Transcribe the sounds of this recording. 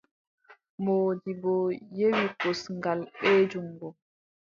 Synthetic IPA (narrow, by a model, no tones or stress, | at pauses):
moːdibɔjewikosŋɡalɓɛːd͡ʒuŋɡɔ